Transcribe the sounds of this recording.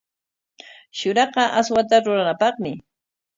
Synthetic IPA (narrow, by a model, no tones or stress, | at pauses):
ʃʊɾɑqɑʔaswat̪aɾʊɾanapɑχmɪ